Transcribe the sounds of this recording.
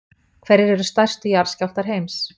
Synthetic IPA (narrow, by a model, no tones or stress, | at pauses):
kʰvɛɾːɪɾɛɾʏst̪ajr̥st̪ʏjaɾ̥scawft̪aɾ̥ɦejms